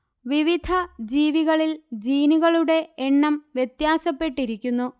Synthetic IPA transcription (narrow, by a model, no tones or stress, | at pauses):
ʋiʋid̪ʱɐd͡ʑiːʋiɣɐɭild͡ʑiːniɣɐɭuɽe̞eɳːɐmʋjet̪jaːsɐpːe̞ʈːiɾikʲːunːu